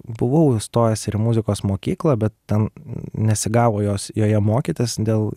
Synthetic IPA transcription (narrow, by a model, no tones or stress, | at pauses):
bʊʋɐʊɪst̪oːjɛsʲɪɾɪmʊzʲɪkoːsmoːkʲiːklˠɐbʲɛt̪̚t̪ʲɛnnʲɛsʲɪɡɑːʋoːjoːsjoːjɛmoːkʲiːt̪ʲesd̪ʲeːlˠ